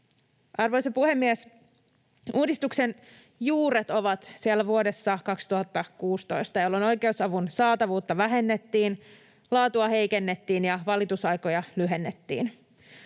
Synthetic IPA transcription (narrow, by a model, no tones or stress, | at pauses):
ʔɑrʋo̞jsepuhe̞mːies | ʔuːdist̪uksen | juːɾet̪o̞ʋɑt̪sielːæʋuo̞de̞sːɑkɑkst̪uhɑt̪ːɑkuːst̪o̞jst̪ɑjolːono̞jke̞usɑʋunsɑːt̪ɑʋuːt̪ːɑʋæɦe̞nːet̪ːiːn | lɑːt̪uɑhe̞jke̞nːe̞t̪ːiːnjɑʋɑlit̪usɑjko̞jɑlyɦe̞nːet̪ːḭːn